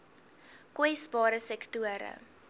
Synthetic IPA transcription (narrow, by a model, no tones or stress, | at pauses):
kwɛjsbɑːɾəsɛktuəɾə̰